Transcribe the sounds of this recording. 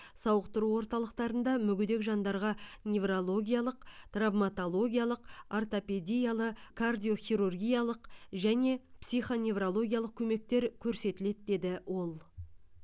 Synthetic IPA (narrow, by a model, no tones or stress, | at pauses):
sɑwəqt̪ʊɾuwo̞ɾt̪ɑlˠəqt̪ɑɾənd̪ɑmʏɡʲʏd̪e̞kʒɑnd̪ɑɾʁɑnʲe̞vrolˠo̞ɡʲijalˠəqt̪ravmat̪o̞lˠo̞ɡʲijalˠəqart̪ope̞d̪ʲijalˠəkʰard̪ʲijo̞χʲijɾurɡʲijalˠəqʒæne̞psijχo̞nʲe̞vrolˠo̞ɡʲijalˠəq̚kʲʰɵme̞k̚t̪e̞ɾkʲʰɵɾse̞t̪ɪle̞t̪d̪e̞d̪ɪwʔo̞lˠ